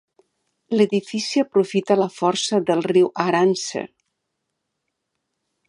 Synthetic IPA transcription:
ləðifisiəpɾufit̪aləfɔɾsəðəlˠriwʔaɾansḛ

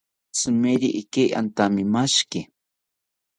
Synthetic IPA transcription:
sɨmeɾiʔikeʔa̰nt̪amimaʃkɪ

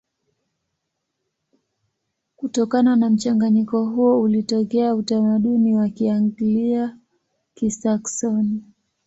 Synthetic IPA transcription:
kutɔkananam̩t͡ʃaŋɡaɲikɔɦuɔulitɔkɛautamaɗuniwakiaŋɡilia | kisaksɔni

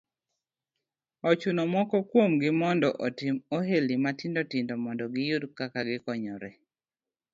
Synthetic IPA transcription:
ɔt͡ʃunomɔkɔkwomɡɪmɔndɔʔotɪmoɦelimatindɔtɪndɔmɔndɔɡɪjudkakaɡɪkɔɲɔɾɛ

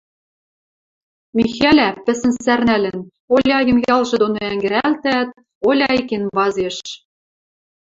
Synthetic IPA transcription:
mʲixælʲæpɘ̆sɘ̆nsærnælɘ̆n | olʲɑjɤ̆mjɑlʒɤ̆d̪onŏæŋɡɘ̆ɾælt̪æt̪̚ | olʲɑjkenβɑzeʃ

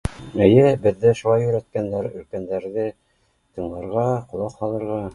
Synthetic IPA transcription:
ɘ̆jɘbɘ̆ðːɘʃulˠɑjɵ̆ɾæt̪̚kænd̪æɾɵ̆ɾkænd̪æɾðɘ | t̪ɤ̆ɴlˠɑɾʁɑqŏlˠɑqhɑlˠɤ̆ɾʁɑ

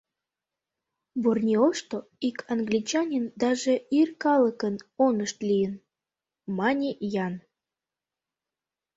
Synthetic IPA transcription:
burnʲeoʃt̪oikʰɑnɡlʲit͡ɕɑnʲind̪ɑʒeirkɑləkənonəʃt̪lijən | mɑnʲejɑn

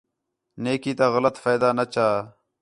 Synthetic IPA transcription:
neːkiːt̪aɣɐlət̪faːjd̪aːnɐt͡ɕaː

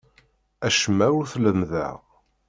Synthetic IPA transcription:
æʃmːæuθləmðæ̰ʁ

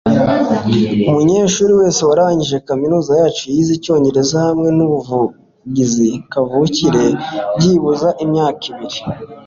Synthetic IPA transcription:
umuɲe̞ːʃuːɾiwe̞ːse̞waɾaaɲiʒe̞kaminuːzajaːt͡ʃujizico̞ːɲɟe̞ɾe̞zahamŋe̞nuβuvu | ɟizikavuciɾe̞bɟiβuzaʔimɲaːkiβiɾi

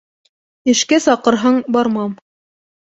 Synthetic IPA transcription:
ɘ̆ʃkæsɑqɤ̆ɾɦɤɴbɑɾmɑm

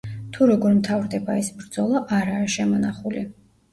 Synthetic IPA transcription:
t̪ʰuɾɔɡɔɾmt̪ʰavɾd̪ɛbaɛsbɾd̪zɔlˠaʔaɾaːʃɛmɔnaχulḭ

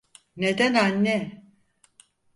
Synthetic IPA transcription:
ned̪ænanːɛ

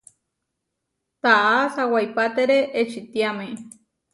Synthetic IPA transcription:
t̪aʔasawajpat̪eɾeʔːt͡ʃit̪jame

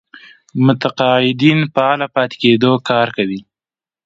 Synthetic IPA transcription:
mʊt̪aqɑɪd̪inpəalapɑt̪e̥ked̪okɑɾkawi

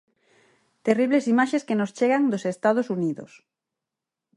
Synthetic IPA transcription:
t̪eriβlesimaʃeskenost͡ʃeɣaŋd̪osest̪að̞osuniðʊ̰s

